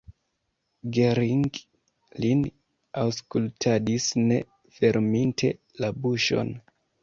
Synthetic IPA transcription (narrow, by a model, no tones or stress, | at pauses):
ɡeɾiŋɡ | lin | awskultʰadisne̞̰ | fe̞ɾmintʰe̞̰ | labuʃo̞̰n